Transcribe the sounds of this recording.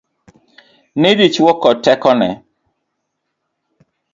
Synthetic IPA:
nedit͡ʃwɔkɔtɛkɔnɛ̰

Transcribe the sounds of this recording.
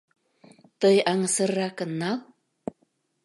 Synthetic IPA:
t̪əjɑŋəsərːɑkənːɑl

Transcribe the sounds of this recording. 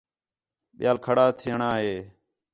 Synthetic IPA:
ɓɪjaːlkʰəɽaːt̪ʰɪəɳaːɦeː

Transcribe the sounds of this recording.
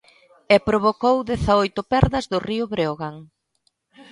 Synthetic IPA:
ɛpɾoβokowðɛθaojt̪ʊpɛɾðɐzðʊriʊβɾeoɣaŋ

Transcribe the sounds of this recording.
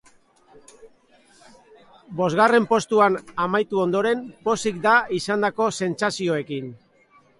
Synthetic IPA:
bo̞zɣare̞mpo̞st̪uanamajt̪uo̞nd̪o̞ɾe̞mpo̞sikd̪aisand̪ako̞se̞nt͡sasioe̞kin

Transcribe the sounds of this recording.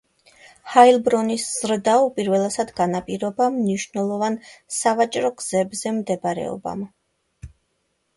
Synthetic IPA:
hailˠbɾɔnisz̥ɾd̪aupʼiɾvɛlˠasad̪ɡanapʼiɾɔbamniʃnɛlˠɔvansavat͡ʃʼɾɔɡz̥ɛbzɛmd̪ɛbɾɛ̰ɔ̰ba̰m

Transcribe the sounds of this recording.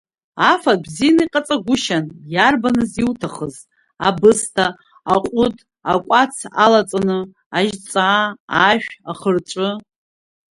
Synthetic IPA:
afabzijanaiqʼat͡sʼaɡʷʊʃanjarbanɨziwtʰaχəz | abɨstʰaː | qʷʼʊtʰʼ | akʷʼat͡sʰalat͡sʼanɨ | aʒt͡sʼaːʃᶣaχərʈ͡ʂʷʼɨ

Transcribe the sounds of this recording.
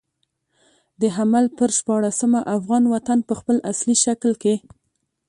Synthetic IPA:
d̪əɦamalpəɾʃpɑɽasəmaʔafɣɑnwat̪anpəxpəlasliʃaklke

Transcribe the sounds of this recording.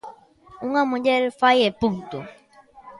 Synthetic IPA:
uŋamũɟɛɾfajɛpuŋt̪ṵ

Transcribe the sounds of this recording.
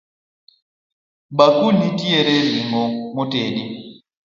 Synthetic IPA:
ɓakunːitiɛɾɛziŋɡɔmɔteːɗi

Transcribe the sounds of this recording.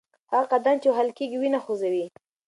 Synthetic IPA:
haqad̪amt͡ʃeɦalkeɡiwinaxozawi

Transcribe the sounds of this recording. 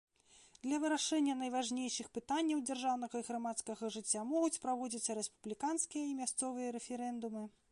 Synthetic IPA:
d̪lʲɐvɨɾaʂɛnʲːɐn̪ɐjvaʐnʲejʂɨxpɨt̪anʲːɐwd͡zʲarʐawn̪ɐɣɐiɣɾamat̪skɐɣɐʐɨt͡sʲːamɔɣut͡sʲpɾavɔd͡zʲit̪sːɐɾɛspublʲikanskʲijɐimʲast̪sɔvɨjɐɾɛfʲɛɾɛnd̪umɨ

